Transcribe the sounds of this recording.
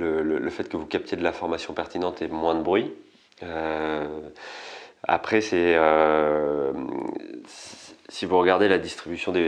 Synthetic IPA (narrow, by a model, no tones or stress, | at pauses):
lələləfɛt̪kəvukap̚t̪jed̪əlafɔʁmasjɔ̃pɛʁt̪inɑ̃t̪ɛmwɛ̃d̪əbʁɥi | ø | a̰pχɛsɛø | sivuʁəɡaʁd̪elad̪ist̪χibysjɔ̃d̪e